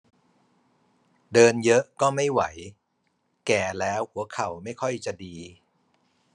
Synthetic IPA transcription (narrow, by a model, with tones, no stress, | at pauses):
dɤː˧njɤ˦˥ʔkɔː˥˩ma˥˩jwa˩˦j | kɛː˨˩lɛː˦˥whu˩˦ɐkʰa˨˩wma˥˩jkʰɔ˥˩jt͡ɕa˨˩diː˧